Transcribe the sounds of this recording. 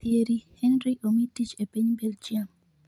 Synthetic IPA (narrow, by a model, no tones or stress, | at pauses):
eɾihɛnɾiʔomitit͡ʃepiɲbɛld͡ʒiam